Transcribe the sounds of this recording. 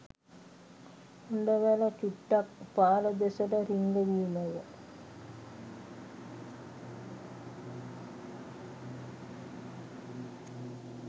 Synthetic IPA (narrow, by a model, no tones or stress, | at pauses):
uɳɖəʋælət͡ʃuʈːakpaːləd̪esəʈəɾiŋɡəʋiːməjə